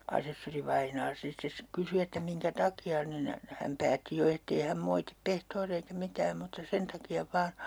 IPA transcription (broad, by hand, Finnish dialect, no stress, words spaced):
ɑsesːoriʋɑinɑː sit ses kysy etːæ miŋkæ tɑkiɑ nin hæm pæːtːi jo etːei hæm moitip pehtoːriɑ eikæ mitæːm mutːɑ sen tɑkiɑ ʋɑːn